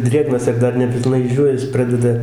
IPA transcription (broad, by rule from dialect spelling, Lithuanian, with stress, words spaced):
ˈdʲrʲeːɡnɐs ɪr ˈdɐr nʲɛpʲɪlˠˈnɐɪ ɪʒʲˈd͡ʒʲuːʋʲæːs ˈprɑːdʲɛdɐ